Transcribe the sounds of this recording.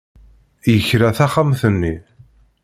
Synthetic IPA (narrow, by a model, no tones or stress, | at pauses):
jəçɾæθaχamθənːi